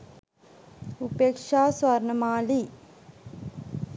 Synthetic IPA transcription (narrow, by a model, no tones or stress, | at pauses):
upeːkʂaːsʋɐɾɳɐmaːli